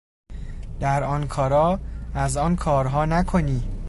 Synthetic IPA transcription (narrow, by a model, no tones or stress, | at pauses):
d̪̥æɾɒːnkʰɒːɾɒːæzɒːnkʰɒːɾɦɒːnækʰoniː